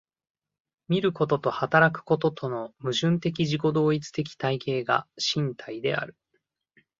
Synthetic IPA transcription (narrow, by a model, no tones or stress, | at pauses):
mʲiɾɯ̟ko̞t̪o̞t̪o̞hat̪aɾakɯ̟̥ko̞t̪o̞t̪ʰo̞no̞mɯ̟ʑɨ̃nt̪e̞k̬ʲiʑiko̞d̪o̞ːit͡sɨ̥t̪ek̬ʲi̥t̪aike̞ːɡa̰ɕĩnt̪ʰaid̪e̞̰a̰ɾɯ̟